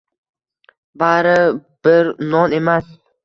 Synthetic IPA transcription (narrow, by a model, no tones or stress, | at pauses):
baɾɪb̥ɪɾnɒne̞mas